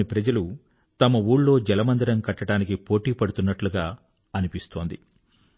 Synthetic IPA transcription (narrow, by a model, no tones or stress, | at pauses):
ipɾɐd͡ʒɐlu | t̪ɐmɐuːɽlo̞ːd͡ʒɛlɐmɐnd̪ɐɾɐmkɐʈːɐɽaːnikipo̞ːʈiːpɐɽut̪unːɐʈluɡaː | ɐnipist̪o̞ːnd̪i